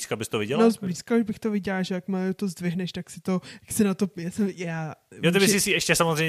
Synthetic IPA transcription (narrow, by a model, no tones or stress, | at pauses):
iskabɪst̪ovɪɟɛlnozbliskauʒbɪxt̪ovɪɟɛlaʒɛjakmaot̪ozdvɪɦnɛʃt̪aksɪt̪o̞aksɪnat̪o̞jaːsɛmjaːjot̪ɪbɪsɪsiɛʃcɛsamozrejɲ